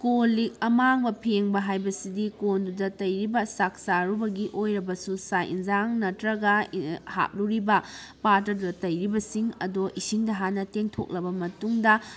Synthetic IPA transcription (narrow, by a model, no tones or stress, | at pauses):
kolik̚ɐmaŋbɐpʰeŋbɐɦajbɐsidikondudɐtɐjɾibɐsak̚saɾubɐɡiʔojɾɐbɐsusajʔḭnd͡ʒaŋnɐtɾɐɡɐha̰k̚luɾibɐpaɾtɐdudɐtɐjɾibɐsiŋɐ̰doʔisiŋdɐɦanːɐteŋtʰo̰k̚lɐbɐmɐtuŋdɐ